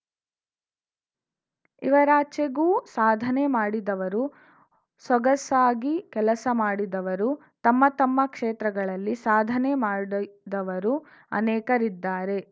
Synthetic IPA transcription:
iʋɐɾaːt͡ʃeɡuːsaːd̪ʱɐnemaːɽid̪ɐʋɐɾu | sɐɡɐsaːɡikɛlɐsɐmaːɽid̪ɐʋɐɾu | t̪ɐmːɐt̪ɐmːɐkʂeːt̪ɾɐɡɐɭɐlːisaːd̪ʱɐnemaːɽid̪ɐʋɐɾu | ɐ̰nɛːkɐɾid̪ːaːɾe̞

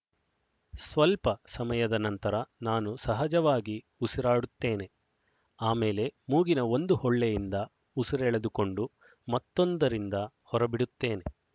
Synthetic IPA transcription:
sʋɐlpɐsɐmɐjɐd̪ɐnɐnt̪ɐɾɐnaːnusɐɦɐd͡ʒɐʋaːɡi | usiɾaːɽut̪ːe̞ːne̞ | aːmeːle̞muːɡinɐo̞nd̪uhɔɭːejind̪ɐ | usiɾɛɭed̪uko̞ɳɖu | mɐt̪ːond̪ɐɾind̪ɐ | hɔɾɐbiɽut̪ːe̞ːne̞

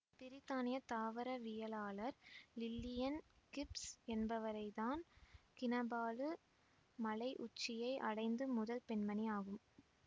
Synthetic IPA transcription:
pɪɾɪt̪ːaːnɪjɐt̪aːʋɐɾɐʋɪjɐlaːlɐɾlɪlːɪjɐnkɪpsɛnbɐʋɐɾɐɪðaːnkɪnɐbaːlɯ | mɐlɐɪʔʊt͡ʃːɪjɐɪʔɐ̰ɽɐɪnd̪ɯmʊðɐlpɛnmɐniaːɣɯm

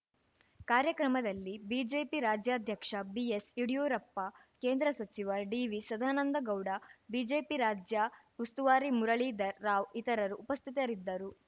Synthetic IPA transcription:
kaːɾjɐkɾɐmɐd̪ɐlːibiːd͡ʒe̞ːpiɾaːd͡ʒjaːd̪ʱjɐkʂɐbiesiɽijuːɾɐpːɐ | ke̞ːnd̪ɾɐsɐt͡ʃiʋɐɖiːʋisɐd̪ʱaːnɐnd̪ɐɡɐwɽɐbiːd͡ʒe̞ːpiɾaːd͡ʒjɐ | ust̪uʋaːɾimuɾɐɭiːd̪ɐɾːaːʋit̪ɐɾɐɾuʔːpɐst̪ʰit̪ɐɾid̪ːɐɾu

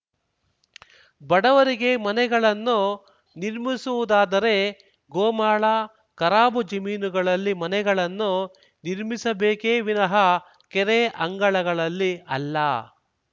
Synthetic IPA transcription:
bɐɽɐʋɐɾiɡe̞mɐnɛɡɐɭɐnːu | niɾmisuʋud̪aːd̪ɐɾe̞ | ɡoːmaːɭɐ | kɐɾaːbud͡ʒɐmiːnuɡɐɭɐlːimɐnɛɡɐɭɐnːu | niɾmisɐbeːkeːʋinɐɦɐ | kɛɾeʔɐŋɡɐɭɐɡɐɭɐlːiɐlːɐ̰

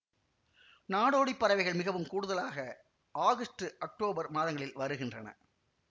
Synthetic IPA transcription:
naːɽoːɽipːɐɾɐʋɐɪɣɐɭmɪɣɐʋɯmkuːɽʊðɐlaːɣɐ | ʔaːɣɐsʈɯʔɐk̚ʈoːbɐɾmaːðɐŋɡɐɭɪlʋɐɾɯɣɪndrɐnɐ̰

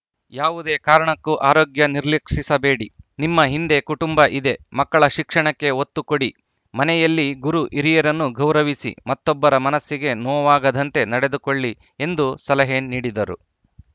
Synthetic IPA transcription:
jaːʋud̪e̞ːkaːɾɐɳɐkːuʔaːɾoːɡjɐniɾliːkʂisɐbeːɽinimːɐɦind̪e̞kuʈumbɐʔid̪e̞mɐkːɐɭɐʃikʂɐɳɐkːe̞ot̪ːukoɽi | mɐnɛjɐlːiɡuɾuʔiɾijɐɾɐnːuɡʱɐwɾɐʋisḭmɐt̪ːɔbːɐɾɐmɐnɐsːiɡe̞nɔːʋaːɡɐd̪ɐnt̪e̞nɐɽe̞d̪ukoɭːi | e̞nd̪usɐlɐɦeːniːɽid̪ɐɾṵ

